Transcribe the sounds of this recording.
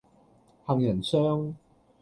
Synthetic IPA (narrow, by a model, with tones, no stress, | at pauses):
hɐ˨ŋjɐ˨˩nsœː˥ŋ